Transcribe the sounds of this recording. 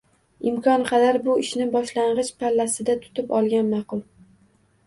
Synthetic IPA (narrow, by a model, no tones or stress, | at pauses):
ɪmkʰɒnqʰɑd̪aɾbʊɪʃnɪbɒʃlaɴʁɨʃpʰalːasɪd̪at̪ʰʊ̥t̪ʰɪpɒlˠɡʲanmɑqʊlˠ